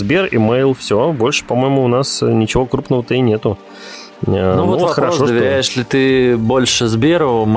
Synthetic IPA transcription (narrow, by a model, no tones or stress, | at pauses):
zbʲe̞rḭmejlˠfsʲobo̞lʲʂɨ̥pɐmo̞jɪmʊːnasnʲɪt͡ɕɪvo̞kɾupnəvət̪əinʲet̪ʊ | nuovot̪xəɾɐʂod̪əvʲɪɾʲæjɪʂlʲɪt̪ɨbo̞lʲʂɨzbʲeɾʊm